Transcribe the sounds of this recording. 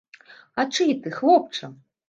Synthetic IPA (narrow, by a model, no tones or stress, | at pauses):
ɐt͡ʂɨt̪ɨxlˠɔp̚t͡ʂɐ